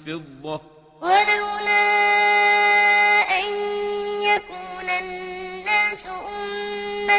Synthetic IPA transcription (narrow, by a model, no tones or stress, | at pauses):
fɪdːɔ | walawnaː | ʔaɲjakuːnanːaːsʊʔʊmːa